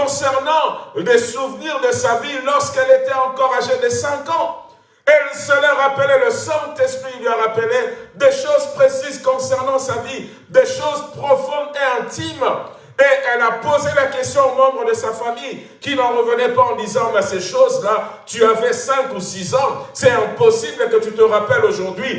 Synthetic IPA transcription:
kɔ̃sɛʁnɑ̃lesuvniʁd̪əsavilɔʁskɛlet̪ɛɑ̃kɔʁaʒed̪esɛ̃kɑ̃ | ɛlsəlaʁapəlɛləsɛ̃t̪ɛspχilɥaʁapəled̪eʃozpχesizkɔ̃sɛʁnɑ̃savi | d̪eʃozpχɔfɔ̃d̪eɛ̃t̪im | eʔɛlapozelakɛst̪jɔ̃omɑ̃bʁəd̪əsafamij | kʲinɑ̃ʁəvənɛpaɑ̃d̪izɑ̃mɛseʃozlat̪yavɛsɛ̃kusizɑ̃sɛɛ̃pɔsibləkət̪yt̪əʁapɛloʒuʁd̪ɥi

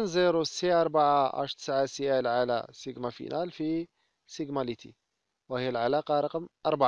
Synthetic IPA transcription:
nziɾusiʔɑɾˤbaʕaʔa̰ʃt̪ə̥sʕasjælʕalæ̰siɡmæfḭnʔælfi | siɡmɑlit̪ʰḭ | whəjːælʕalɑqɑɾˤɑqmʔɑɾˤbaʕ

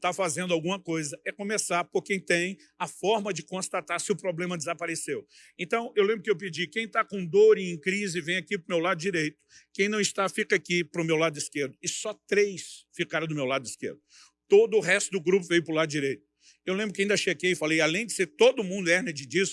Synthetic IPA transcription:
t̪afazẽnd̪ʊawɡũmɐkojzɐɛkõmesaɾpoɾkẽj̃t̪ẽj̃ | ɐfɔɾmɐd͡ʒɪkõst̪at̪aɾsɪʊpɾoblẽmɐd͡ʒɪzapaɾesew | ẽnt̪ɐ̃w̃ewlẽmbɾʊkɪewpɪd͡ʒikẽj̃t̪akõw̃d̪oɾɪẽj̃kɾizɪvẽj̃akipɾʊmewlad̪ʊd͡ʒiɾejt̪ʊ̥kẽj̃nɐ̃w̃ɪst̪afikɐakipɾʊmewlad̪ʊiskeɾd̪ʊɪsɔt̪ɾejsfikaɾɐ̃d̪ʊmewlad̪ʊiskḛɾd̪ʊ | t̪od̪ʊːɦɛst̪ʊd̪ʊɡɾup̬ʊvejʊpɾʊlad̪ʊd͡ʒiɾejt̪ʊ̥ | ewlẽmbɾʊkɪaĩnd̪ɐʃeɡejɪfalejalẽj̃d͡ʒɪ̥seɾt̪od̪ʊmũnd̪ʊɛned͡ʒɪd͡ʒis

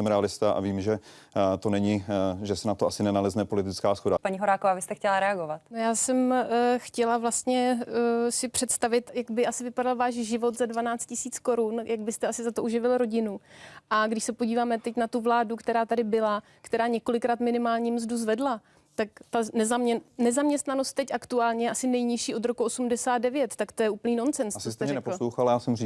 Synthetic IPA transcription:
sɛmɾɛalɪst̪aʔa̰viːmʒɛt̪onɛɲɪʒɛsɛnat̪oʔasɪnɛnalɛznɛpo̞lɪt̪ɪt͡skaːsxodapaɲiɦoɾaːkovaːvɪst̪ɛxcɛlaɾɛaɡovat̪nojaːsɛmxcɛlavlast̪ɲɛ | sɪpr̥ɛt̪st̪avɪt̪jaɡbɪʔasɪvɪpadalvaːʃʒɪvo̞t̪zadvanaːt͡st̪cɪsiːt͡sko̞ɾunjaɡ̚bɪst̪ɛasɪzat̪oʔuʒɪvɪlɾo̞ɟɪnuʔaɡdɪʃsɛpoɟiːvaːmɛt̪ɛcnat̪uvlaːdukt̪ɛɾaːt̪adɪbɪla | kt̪ɛɾaːɲɛko̞lɪkɾaːt̪mɪnɪmaːlɲimzduzvɛdla | t̪ak̚t̪anɛzamɛnɛzamɲɛst̪nano̞st̪ːɛcʔakt̪uaːlɲɛjʔasɪnɛjɲɪʃiːʔo̞d̪ɾokuo̞sumdɛsaːd̪̚dɛvjɛt̪ːakt̪ojɛuːpl̩niːno̞nt͡sɛnsst͡sost̪ɛɾɛɛpl̩lowxalajaːsɛmri

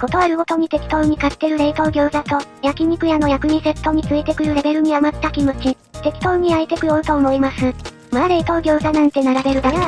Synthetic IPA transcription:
ko̞t̪o̞aɾɯ̟ɡo̞t̪o̞ɲ̟it̪e̞kʲi̥t̪o̞ːɲ̟ikḁt̪ːe̞ɾɯ̟ɾe̞it̪o̞ːɡʲo̞ːzat̪o̞jakʲiɲ̟ikɯ̟jano̞jakɯ̟ɲ̟ise̞t̪ːo̞ɲ̟it͡sɨit̪e̞kɯ̟ɾɯ̟ɾe̞be̞ɾɯ̟ɲ̟iamat̪ːakʲimot͡ɕi | t̪e̞kʲi̥t̪o̞ɯɲ̟iait̪e̞kɯ̟joɯ̟t̪o̞ːmo̞imasɨ | maɾe̞it̪o̞ːɡʲo̞ːzanãnt̪e̞naɾabe̞ɾɯ̟d̪aja

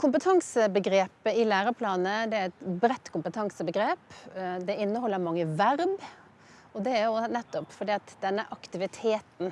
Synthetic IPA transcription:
kʰʊmpət̪ʰɑŋsəbəɡɾeːpəɪlæːɾəpʰlɑːnəd̪ɛæɾɛt̪bɾɛt̪ːkʰʊmpət̪ʰɑŋsəbəɡɾeːpd̪ɛɪnːəhɔlːəɾmɑŋːəʋæɾb | ɔd̪ɛæɾjonɛt̪ːɔpfɔɖ̪iːɑt̪d̪ɛnːəʔɑkt̪ɪʋɪt̪ʰeːt̪n̩

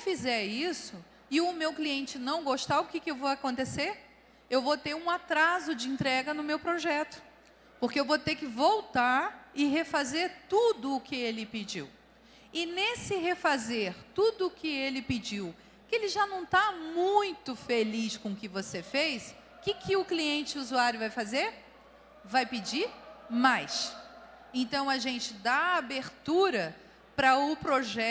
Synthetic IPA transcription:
fizɛɾisʊ | ɪʊmewkliẽnt͡ʃɪnɐ̃w̃ɡoʃt̪aʊkɪkɪewvowakõnt̪eseɾ | ewvot̪eɾũat̪ɾazʊd͡ʒɪĩnt̪ɾɛɡɐnʊmewpɾoʒɛt̪ʊ̥ | poɾkeewvot̪ekɪvowt̪aɾɪɦefazeɾt̪ud̪ʊːkɪelɪpid͡ʒḭw | ɪnesɪɦefazeɾt̪ud̪ʊːkɪelɪpɪd͡ʒiw | kɪelɪʒanɐ̃w̃t̪amũj̃t̪ʊfeliʃkõʊkɪvosefejʃ | kɪkʰɪʊkliẽnt͡ʃɪuzuaɾjʊvajfazeɾ | vajpɪd͡ʒiɾmajʃ | ẽnt̪ɐ̃w̃ɐʒẽnt͡ʃɪd̪aːbeɾt̪uɾɐ | pɾɐʊpɾoʒɛ

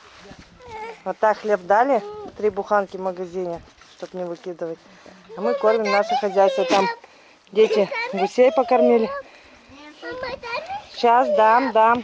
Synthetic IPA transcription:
vot̪ːakxlʲe̞pd̪alʲɪt̪ɾʲibʊxankʲɪvməɡɐzʲinʲɪ | ʂt̪o̞pnʲɪvɨkʲid̪ɨvətʲ | ɐmɨko̞rmʲɪmnaʂɨxɐzʲæjst̪vət̪am | dʲetʲɪɡʊsʲejpəkɐrmʲilʲɪ | ɕasd̪amd̪am

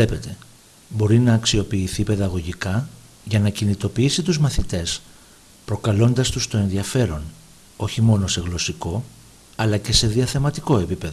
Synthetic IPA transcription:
le̞pe̞t̪e̞ | bo̞ɾinɐːksio̞piːθipe̞ðɐɣo̞ʝikɐ | ʝɐnɐcinit̪o̞piisit̪uzmɐθit̪e̞s | pɾo̞kɐlo̞nd̪ɐst̪ust̪o̞e̞nðiɐfe̞ɾo̞n | o̞çimo̞no̞se̞ɣlo̞siko̞ | ɐlɐce̞se̞ðiɐθe̞mɐt̪iko̞e̞pipe̞ðo

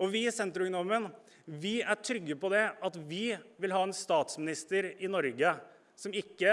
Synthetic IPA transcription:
ɔʋɪsɛnt̪ɾʊʉŋnɔmən | ʋɪæʈʰɾʏɡːəpɔd̪ɛɑt̪ʋɪʋɪlɦɑːɛnst̪ɑːt̪smɪnɪst̪əɾɪnɔɾɡə | sɔmɪkːə

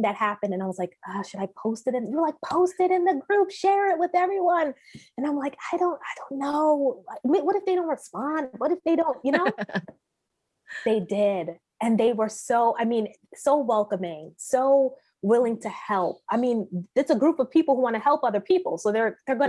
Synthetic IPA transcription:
ðɨt̚hæpɨ̃ndɨ̃naɪwʌzlaɪkʌʃɨɾaɪpʰoʊstɨɾɨ̃njə˞laɪk̚pʰoʊstɨɾɨ̃nðɨɡɹupʃɛɹɪt̚wɨðɛvɹiwʌ̃nɨ̃nãɪ̃mlaɪkaɪɾõʊ̃ntaɪdõʊ̃nːoʊmiwʌɾɨfðeɪõʊ̃ntɹəspɑ̃ndwʌɾɨfðeɪɾõʊ̃ntjɨnoʊ | ðeɪdɪd | ɨ̃nðeɪwə˞soʊʔaɪmĩn | soʊwɛlˠkɨ̃mɪ̃ŋsoʊ | wɪlˠɪ̃ŋtʰɨhɛlˠp̚aɪmĩnɨtsəɡɹupʌv̥pʰipl̩ˠhuwɑ̃ñɨhɛlˠpʌðə˞pʰipl̩ˠsoʊðə˞ðə˞ɡʌ̃

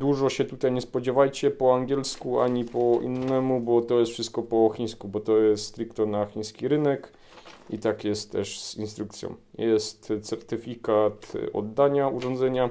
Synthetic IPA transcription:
d̪uʐɔɕɛt̪ut̪ajɲɛspɔd͡ʑɛvajt͡ɕɛpɔaŋɡʲjɛlskua̰ɲipɔḭnːɛmubɔt̪ɔjɛst̪fʂɘst̪̚kɔpɔxʲiɲ̃skubɔt̪ɔjɛst̪st̪ɾikt̪ɔnaxʲiɲ̃skʲiɾɘnɛk | ḭt̪akjɛst̪ːɛ̰ʂz̥inst̪ɾukt̪sʲjɔ̰̃w̃jɛst̪t̪sɛɾt̪ɘfʲikat̪ɔ̰d̪ːaɲauʐɔnd̪zɛɲa

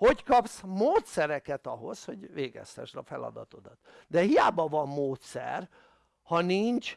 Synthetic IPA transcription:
ho̞ckɒpsmoːt̪sɛɾɛkɛt̪ɒɦo̞sho̞ɟveːɡɛ̰st̪ɛ̰ʃdɒfɛlɒ̰d̪ɒt̪o̞d̪ɒt̪d̪ɛhijaːbɒvɒmːoːt̪sɛ̰r | hɒnint͡ʃ

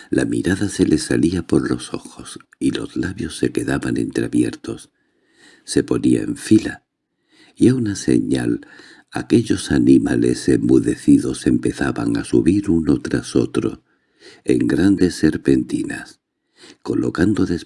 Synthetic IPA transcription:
lamiɾaðase̞lʔe̞saliapo̞ɾlo̞so̞xo̞s | ilo̞zlaβjo̞sːe̞ke̞ðaβane̞̰nt̪ɾeaβje̞ɾt̪o̞sː | e̞po̞niaeɱfila | iaunase̞̰ɲal | ake̞ʎo̞sanimale̞̰se̞mːuðe̞θiðo̞se̞mpe̞θaβaŋasuβiɾuno̞t̪ɾaso̞̰t̪ɾo̞̰ | e̞̰ŋɡɾand̪e̞se̞ɾpe̞nt̪inas | ko̞lo̞kand̪oðe̞s

